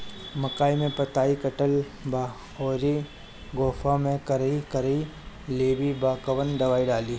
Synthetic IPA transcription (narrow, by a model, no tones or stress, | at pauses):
məkaːimẽpɐt̪aːikəʈəl | baː | oːɾi | ɡɔːfʰamẽkəɾikəɾi | leːbibaːkəʋənɖɐʋaːiɖaːliː